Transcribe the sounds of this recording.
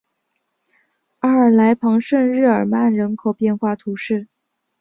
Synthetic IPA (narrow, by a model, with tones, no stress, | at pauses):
a˥ə˞˨˩la˧˥ɪpʰɑ˧˥ŋʂə˥˧nɻɻ̩˥˩ə˞˨˩ma˥˩nɻə˧˥nkʰo˨˩ʊpjɛ˥˧nxwa˥˩t̪ʰu˧˥ʂɻ̩˥˩